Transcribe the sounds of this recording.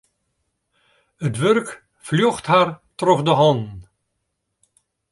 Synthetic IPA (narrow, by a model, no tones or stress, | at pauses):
ətʋœrk | fljɔχtɦaːrtrɔχdəɦɑn